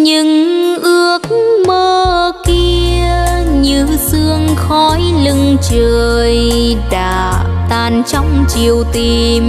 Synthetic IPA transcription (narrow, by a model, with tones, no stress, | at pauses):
ɲɨ˧˥ŋʔɨ˧˥ək̚məː˧ki˧əə | ɲɨ˧sɨ˧əŋxɔ˧˦jlɨ˧ŋt͡ɕəː˨˩j | ɗa̰ː˧˩ | t̪aː˧˨˩nt͡ɕɔ˧wŋ͡mt͡ɕi˨˩əwt̪i˧˩ | m